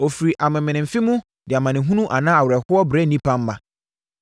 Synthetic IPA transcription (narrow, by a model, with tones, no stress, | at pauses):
o˨fi˨ɾi˨ʔa˨mɪ̃˨mɪ̃˨nɪ̃˨m̩˨fɪ˦mũ˦ | dɪ˨a˨mã˨nɪ̃˨ɦũ˦nũ˦ʔa˨nã˦a˨wʊ˨ɾɛ˨hʊ˦ɔ˦bɾɛ˦nĩ˦pʰã˦m̩˦mã̰˨